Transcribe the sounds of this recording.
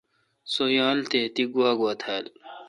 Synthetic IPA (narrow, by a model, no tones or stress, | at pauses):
sojãːlt̪et̪iɡuaːɡwat̪ʰaːl